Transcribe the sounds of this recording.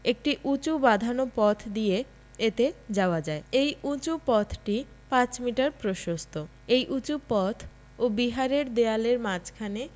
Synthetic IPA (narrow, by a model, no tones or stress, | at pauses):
ek̚ʈiʔut͡ɕubad̪ʱanopɔt̪ʰd̪ie | et̪ed͡ʑaoad͡ʑaeejut͡ɕupɔt̪ʰʈi | pãt͡ɕmiʈaɾpɾoʃost̪ʰo | ejʔut͡ɕupɔt̪ʰ | obiɦaɾeɾd̪ealeɾmat͡ɕkʰane